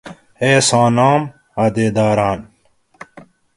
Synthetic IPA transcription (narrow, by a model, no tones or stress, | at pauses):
eːsɑ̃ːnaːm | ɐd̪eːd̪aːɾaːn